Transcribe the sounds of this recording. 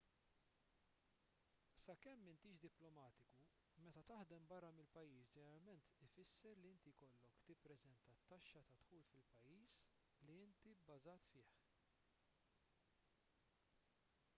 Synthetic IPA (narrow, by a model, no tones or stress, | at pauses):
sɐkɛmːɪnt̪iːʃd̪ɪplɔmɐːt̪ɪku | mɛt̪ɐt̪ɐħd̪ɛmbɐrːɐmɪlpɐjːiːsd͡ʒɛnɛɾɐlmɛnt̪ɪfɪsːɛɾliɪnt̪ikɔlːɔkt̪ɪpːɾɛzɛnt̪ɐt̪ːɐʃːɐt̪ɐt̪ħuːlfɪlpɐjːiːs | liɪnt̪ibːɐzɐːt̪fɪːħ